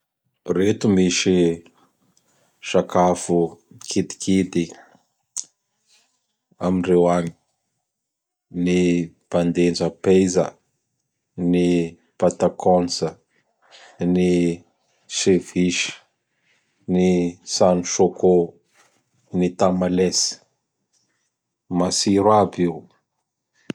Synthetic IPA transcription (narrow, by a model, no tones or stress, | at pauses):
ret̪umiʃi | ʃakafukʰit̪i̥kʰit̪i | aminrewaɲi̥ | ni | pand̪end͡ʒəpezə̰ | ni | pat̪akʰɔnsə | ni | seviʃ | nisanuʃoko | nit̪amalesi̥ | masiɾabiw